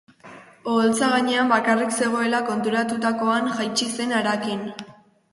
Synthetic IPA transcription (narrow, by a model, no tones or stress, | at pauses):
o̞lt͡saɣ̞aɲe̞ambakarikse̞ɣ̞o̞e̞lako̞nt̪uɾat̪ut̪ako̞anʝajt͡ʃise̞naɾakin